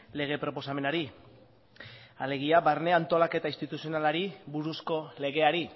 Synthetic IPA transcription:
le̞ɣ̞e̞pɾo̞po̞same̞naɾi | ale̞ɣ̞iaβarne̞ant̪o̞lake̞t̪aist̪it̪usionalaɾiβuɾusko̞le̞ɣ̞e̞aɾi

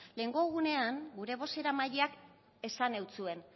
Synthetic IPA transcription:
le̞ŋɡo̞eɣ̞une̞aŋɡuɾe̞β̞o̞se̞ɾamaʎeak | e̞sane̞wt͡sue̞n

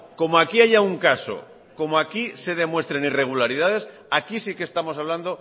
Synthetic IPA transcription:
ko̞moakiaʝauŋkaso̰ | ko̞moakise̞ð̞e̞mwe̞st̪ɾe̞nire̞ɣ̞ulaɾiðað̞e̞s | akisikest̪amo̞s̬aβ̞land̪o̞

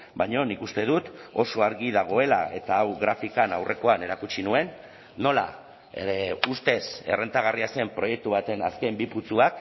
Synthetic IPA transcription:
baɲo̞nikust̪e̞ðut̪o̞so̞aɾɣiðaɣ̞o̞e̞la̰e̞t̪aːwɣɾafikanawrʔe̞ko̞ane̞ɾakut͡ʃinue̞nː | o̞la̰ | eust̪e̞se̞rʔe̞nt̪aɣ̞ariase̞mpɾo̞je̞k̚t̪uβat̪e̞naske̞mbiput͡suak

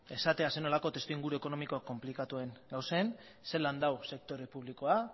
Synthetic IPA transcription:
e̞sat̪e̞ase̞no̞lako̞t̪e̞st̪uiŋɡuɾue̞ko̞no̞miko̞akːo̞mplikat̪ue̞ŋɡawsen | se̞land̪awse̞k̚t̪o̞ɾe̞puβliko̞a

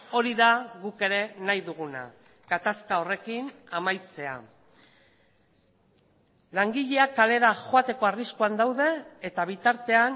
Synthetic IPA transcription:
o̞ɾiðaɣuke̞ɾe̞najðuɣ̞una̰ | ɡ̥at̪askao̞re̞kinamajt͡se̞a̰ | laŋɡiʎe̞akale̞ɾaʝo̞at̪e̞ko̞ariskuand̪awðe̞ːt̪aβ̞it̪aɾt̪e̞an

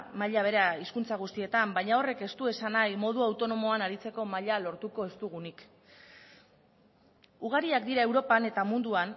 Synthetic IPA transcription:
maʎaβ̞e̞ɾaiskunt͡saɣ̞ust̪ie̞t̪ambajɲao̞re̞ke̞st̪ue̞sanajmo̞ð̞uawt̪o̞no̞mo̞anaɾit͡se̞ko̞maʎalo̞ɾt̪uko̞e̞st̪uɣ̞unik | uɣ̞aɾiakd̪iɾae̞wɾo̞pane̞t̪amund̪uan

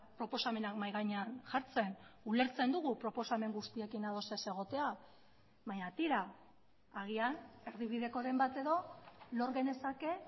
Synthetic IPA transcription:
pɾo̞po̞same̞nakmajɣaɲeanʝaɾt͡se̞nule̞ɾt͡se̞nd̪uɣ̞upɾo̞po̞same̞ŋɡust̪ie̞kinað̞o̞se̞se̞ɣ̞o̞t̪e̞a | βaɲat̪iɾaː | ɣ̞iane̞ɾðiβiðe̞ko̞ɾe̞mbat̪e̞ðo̞lo̞ɾɣe̞ne̞sake̞

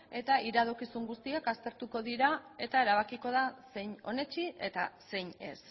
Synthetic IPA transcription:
e̞t̪aiɾað̞o̞kisuŋɡust̪iakast̪e̞ɾt̪uko̞ðiɾae̞t̪ae̞ɾaβ̞akiko̞ð̞ase̞jɲo̞ne̞t͡ʃiʔe̞t̪ase̞jɲe̞̰s

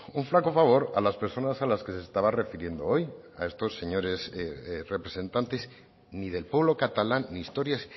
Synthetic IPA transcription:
uɱflako̞faβ̞o̞ɾa̰laspe̞ɾso̞nasalaske̞seːst̪aβare̞fiɾje̞nd̪oo̞j | a̰e̞st̪o̞sːe̞ɲo̞ɾe̞sre̞pɾe̞se̞nt̪ant̪e̞s | nið̞e̞lpwe̞β̞lo̞kat̪alanːiːst̪o̞ɾjas

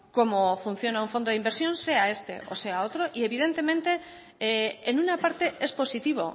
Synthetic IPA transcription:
ko̞mofun̟θjo̞nauɱfo̞nd̪oðimbeɾsjõ̞nse̞ae̞st̪e̞̰ʔo̰se̞aot̪ɾo̞ʔie̞βiðe̞nt̪e̞mẽnt̪e̞ | eenunapaɾt̪e̞ʔespo̞sit̪iβ̞o̰

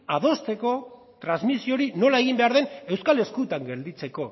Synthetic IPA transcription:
að̞o̞st̪e̞ko̞ | t̪ɾanzmisio̞ɾino̞lae̞ɣ̞imbe̞aɾðe̞ne̞wskale̞skut̪aŋɡe̞ld̪it͡se̞ko̞

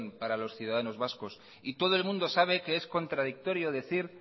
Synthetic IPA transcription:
npaɾalo̞sθjuðaðano̞zβasko̞s | it̪o̞ð̞oe̞lmũnd̪osaβ̞e̞ke̞esko̞nt̪ɾaðik̚t̪o̞ɾjo̞ðe̞θiɾ

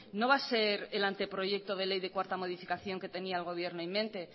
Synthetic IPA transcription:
no̞β̞ase̞ɾelant̪e̞pɾo̞ʝe̞k̚t̪oð̞e̞le̞jðe̞kwaɾt̪amo̞ð̞ifikaθjo̞ŋke̞t̪e̞niaelɣ̞o̞β̞je̞ɾnoimːẽnt̪e̞

